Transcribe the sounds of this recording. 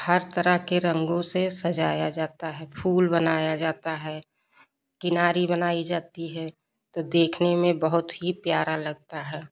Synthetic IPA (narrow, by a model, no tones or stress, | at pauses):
həɾt̪əɾəɦkeɾə̃ŋɡõsesɐd͡ʒaːjad͡ʒaːt̪aɦɛpʰuːlbənaːjad͡ʒaːt̪aɦɛ | kɪnaːɾibənaːid͡ʒaːt̪iɦɛ | t̪od̪eːkʰnemẽbəɦʊt̪ɦipjaːɾalɐɡ̚t̪aɦɛː